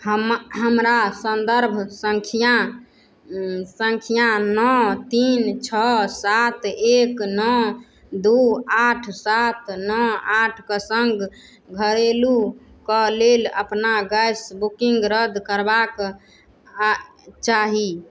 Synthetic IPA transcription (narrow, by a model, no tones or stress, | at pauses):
həmɦəmɾasənd̪əɾbʱsəŋkʰija | səŋkʰijanɔt̪int͡ʃʰɔsat̪ʰeknɔ | d̪uaʈʰsat̪ʰnɔaʈʰkəsəŋɡ | ɡʱəɾelukəlelə̰pnaɡəjsbukiŋɡɾəd̪ʱkəɾbak | t͡ʃaɦi